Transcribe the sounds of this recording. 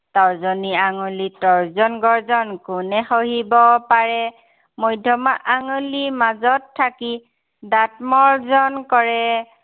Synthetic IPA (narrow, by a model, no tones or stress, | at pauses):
tawzɔniaŋulitɔɹzɔnɡɔɹzɔnkʊnɛxoɦibɔpaɹɛ | mojdʱɔmaʔaŋolimazɔtʰːaki | dat̚mɔɹzɔnkɔɹɛ